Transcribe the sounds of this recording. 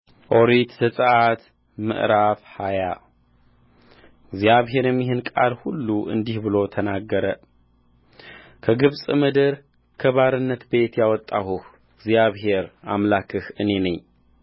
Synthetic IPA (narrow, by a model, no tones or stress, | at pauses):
ʔoɾit̪zəsʼəʔat̪ | mɨ̰ʔɾafhaja | ɡzijaβɦe̞ɾjɛmːiɦɨnkʼalhulːuʔɨ̰nd̪ihbɨlo̞t̪ʰənaɡːəɾə | kʰəɡɨβsʼɨmɨd̪ɨɾ | kʰəβaɾɨnːət̪be̞t̪jawɔt̪ʼːahuh | ɡzjaβɦe̞ɾa̰mlakʰɨhɨne̞nəɲː